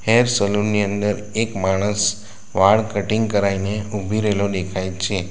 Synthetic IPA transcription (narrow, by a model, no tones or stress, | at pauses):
heɾsəluɾniənd̪əɾ | ekmaɽ̃əs | ʋaɭkəʈiŋɡkəɾaineubʱiɾəɦelod̪ekʰajt͡ʃʰe